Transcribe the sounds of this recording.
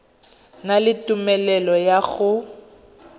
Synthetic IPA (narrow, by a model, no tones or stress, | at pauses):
nalɪtʼʊmɛlɛlɔjaɣʊ